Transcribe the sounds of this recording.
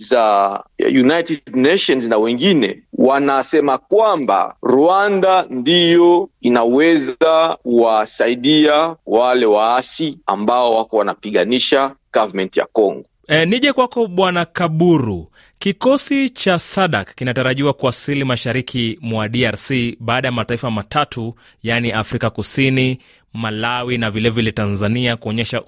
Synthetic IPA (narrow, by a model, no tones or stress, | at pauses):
zajunajtɛdnɛʃɔnznawɛŋɡinɛ̰wanasɛmakwamba̰ɾuandandijɔinawɛzakuwasaiɗiawalɛwaasia̰mbaɔwakɔwanapiɠaniʃaɡ̥avamɛntija̰kɔŋɡɔ | niʄɛkwakɔɓwanakaɓuɾu | kikɔsit͡ʃasaɗakakinataɾaʄiwakuasilimaʃaɾikʰimwaɗiaɾsiɓaːɗajamataifamatʰatu | janiʔafɾikakusini | malawinavilɛvilɛtanzaniakuɔɲɛʃa